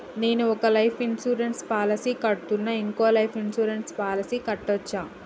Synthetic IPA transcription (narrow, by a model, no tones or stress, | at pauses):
ne̞ːnuɔkɐlɐjpʰinsuːɾenʈspaːlɐsiːkɐɽʈːunːɐiŋkoːlɐjpʰinsuːɾenʈspaːlɐsikɐʈːot͡ʃːaː